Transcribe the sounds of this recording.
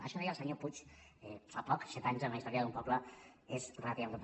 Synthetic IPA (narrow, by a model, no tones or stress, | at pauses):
aʃənjəlˠsəɲoput͡ʃɛfapɔksɛt̪aɲzənəist̪ɔɾjəðumpɔbləezrat̪iald̪əp